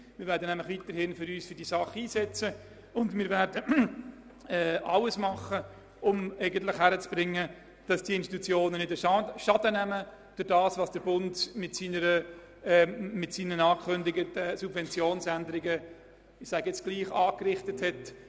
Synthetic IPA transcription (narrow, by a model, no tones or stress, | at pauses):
mɪːɾvæːɾdənæmlɪχʋit̪əɾhɪnfʏɾyːsfʏɾd̥iəsɑχiːsɛt͡sə | ʊndmɪːɾvɛɾdə | ɛːɑləsmɑχə | ʊmæɪɡənt̪lɪχhæɾət͡sb̥ɾɪŋːə | d̥ɑsd̥iəɪnst̪i̥t̪ut͡sjoːnənɪdəʃɑʃɑdənæmə | d̥ʊɾdɑːsʋɑːsd̥əɾbʊndmɪtsiːnəɾə | ɛmɪtsiːnənɑːkʰʏndɪɡətəsub̥vɛnt͡sjoːnsændəɾɪɡə | ɪsæːɡjɛt͡sɡ̥liːχɑːkrɪχtəthɛt